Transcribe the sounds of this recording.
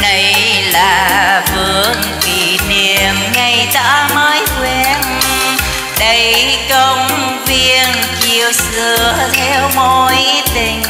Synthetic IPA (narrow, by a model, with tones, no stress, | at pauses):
ɗə˧˩jlaː˨˩vɨ˨˩əəŋki˨˩ni˨˩˨əmŋa˧jza̰ː˧˥məː˨˦jkwɛ˧˩n | ɗə˧˦jkə˧wŋ͡m | vi˧ənki˧əwsɨ˧˩əət̪ʰɛ˧wmo˧˥jt̪ï˧˩ŋ̟